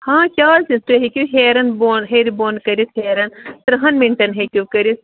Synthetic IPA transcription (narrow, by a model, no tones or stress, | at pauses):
hãːkʲaːlsĩnt̪uɦekʲuɦeːɾɐnboːnɦeɾiboːnkɐɾisheːɾɐnt̪ɐɾɐɦɐnmiɳʈɐnɦekʲukɐɾis